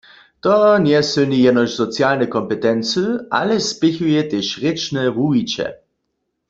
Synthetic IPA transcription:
t̪ɔnjɛsønijɛnɔʃz̥ɔt͡sjaːlnɛkɔmpɛt̪ɛnt͡səa̰lɛspɪçujɛt̪eʃʁɪt͡ʃnɛvuit͡ʃɛ̰

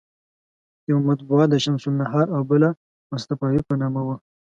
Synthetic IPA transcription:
jawmat̪̚buat̪̚d̪əʃamsunːaɦɑɾawbəla | mʊst̪afɑwipənɑmawə

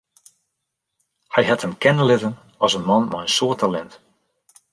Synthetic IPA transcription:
hɛjhɛthəmkɛnəlɪtən | ɔsənmɑnmɛjənsoətʰalɛnt

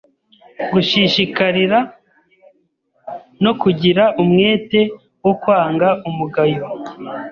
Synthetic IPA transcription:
ɡuʃiʃikaɾiɾa | no̞kuɟiɾaʔumŋe̞ːte̞ | wokwaːŋɡaʔumuɡajo

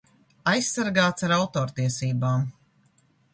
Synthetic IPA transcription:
ajssaɾɡaːt̪saɾawt̪ɔːɾt̪iɛsiːbaːm

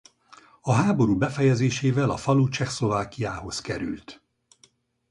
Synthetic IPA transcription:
ɒɦaːbo̞ɾuːbɛfɛjɛzeːʃeːvɛlɒfɒlut͡ʃɛxslo̞vaːkijaːho̞skɛɾy̰lt̪

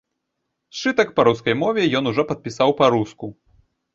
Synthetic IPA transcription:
t͡ʂɨt̪ɐkpɐɾuskɐjmɔvʲɛjɔnuʐɔpɐt̪̚pʲisawpɐɾusku

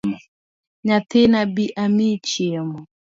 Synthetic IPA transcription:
ɲat̪enabiʔamit͡ʃiemɔ

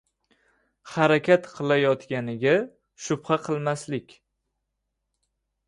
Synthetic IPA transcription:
haɾakʲʰat̪qʰɨlˠajɒt̪ɡʲanɪɡʲa | ʃʊbχaqʰɨlˠmaslɪkʲ

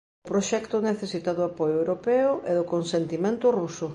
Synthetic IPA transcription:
ʊpɾoʃɛkt̪ʊneθesit̪aðʊapojoewɾopɛʊʔɛðʊkonsent̪imẽnt̪ʊrusʊ

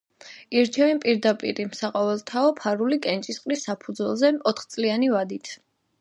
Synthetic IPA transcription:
iɾt͡ʃʰɛvimpʼiɾd̪apʼḭɾimsaqʼɔvɛlˠt̪ʰaɔpʰaɾulikʼɛnt͡ʃʼisqʼɾisːapʰud̪zwɛlˠzɛɔt̪χt̪sʼlianivad̪it̪ʰ

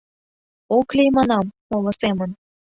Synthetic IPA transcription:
oklʲejmɑnɑm | olɤ̆semə̆n

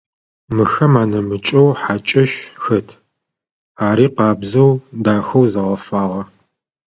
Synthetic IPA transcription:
mɨxɐmaːnɐmɨt͡ʃʼɐwħaːt͡ʃʼɐʃxɐtʰ | aːɾiːqɑːbzɐwdaːxɐwzɐʁɐfaːʁɐ

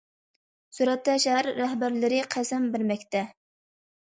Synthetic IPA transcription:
suɾɛt̪ːɛʃæɾːæhbæɾlɪɾɪqʰæsɛmbɪɾmɛkʲt̪ɛ

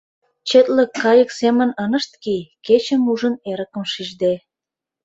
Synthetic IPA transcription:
t͡ɕet̪ləkːɑjəksemə̆nənə̆ʃt̪̚kiket͡ɕə̆muʒə̆neɾə̆kə̆mʃiʒd̪e

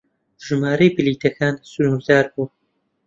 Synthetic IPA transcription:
ʒ̥ɨmaːɾɐjbɨliːt̪ʰɐkʰaːnsulukd̪aːɾbuː

